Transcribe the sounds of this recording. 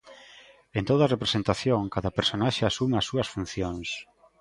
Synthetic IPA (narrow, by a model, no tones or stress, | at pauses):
ent̪oðarepɾesent̪aθjoŋkaðɐpeɾsonaʃeasumasuɐsfun̟θjoŋs